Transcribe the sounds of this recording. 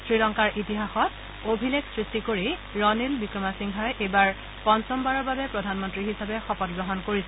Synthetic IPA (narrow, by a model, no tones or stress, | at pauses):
sɹiɹɔŋkaɹʔitiɦaxɔt̚ | obʱileksɹistikoɹiɹɔnilbikɹɔmasiŋɦajʔejbaɹ | pɔnsɔmbaɹɔɹbabɛpɹɔdʱanmɔntɹiɦisabɛxɔpɔtɡɹɔɦɔnkoɹisɛ